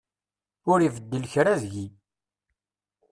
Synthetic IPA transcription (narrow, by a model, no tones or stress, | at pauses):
ʊɾivəd̪ːəlçɾæzʝi